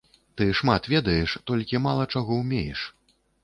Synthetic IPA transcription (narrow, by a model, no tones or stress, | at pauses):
t̪ɨʂmat̪vʲɛd̪ɐjɛʂt̪ɔlʲkʲimalˠɐt͡ʂaɣɔwmʲejɛʂ